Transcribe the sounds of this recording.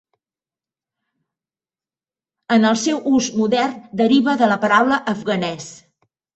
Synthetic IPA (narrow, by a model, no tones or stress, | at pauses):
ənəlˠsɛwʔuzmuðɛrnd̪əɾiβəðələpəɾawləʔəfɣənɛs